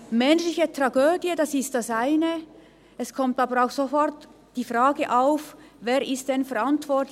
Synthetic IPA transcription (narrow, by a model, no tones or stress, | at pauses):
mɛnʃlɪçətʁaɡøːdjədɑsɪst̚d̥asaɪnə | ɛskʰɔmtaːbəɾaʊxsofɔrt | d̥iːfraːɡəʔaʊfveːɾʔɪst̚d̥ɛnfɛɾantv̥ɔt